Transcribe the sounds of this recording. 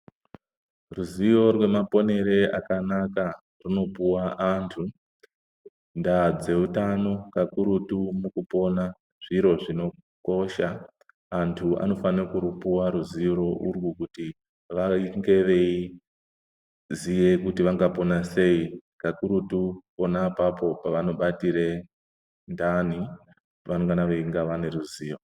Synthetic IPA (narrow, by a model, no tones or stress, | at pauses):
ruzio̞rwe̞mapo̞ne̞ɾe̞a̰kanaka | runo̞puwaʔantʰu | ndad͡ze̞utano̞kakuɾutumukupo̞na | ʐ̥iɾo̞ʐino̞ | ko̞ʃaː | ntʰua̰no̞fanekuɾupuwaɾuziɾo̞ʔurwukuti | ʋaiŋɡe̞ʋe̞i | zije̞kutiʋaŋɡapo̞nase̞ikakuɾutupo̞napapo̞paʋano̞ɓatiɾe | ndani | ʋanoŋɡanaʋeiŋɡaʋane̞ruziːro